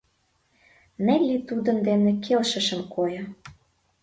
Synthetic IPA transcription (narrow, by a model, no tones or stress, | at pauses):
nĕlʲːit̪ud̪ə̆nd̪enĕkʰelʃə̆ʃə̆mkʰojɤ̆